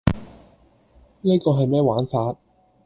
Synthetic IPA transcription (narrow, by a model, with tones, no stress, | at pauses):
niː˥kɔː˧ɦɐ˨jmɛː˥waː˨˥nfaː˧t̚